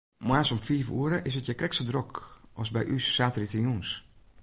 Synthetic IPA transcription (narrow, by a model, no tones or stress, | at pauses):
mwaːsomfiːfṵːəɾəʔɪs̬ətjəkrɛksədrɔkʔɔsbɛjʔysːaːtəɾitəjuns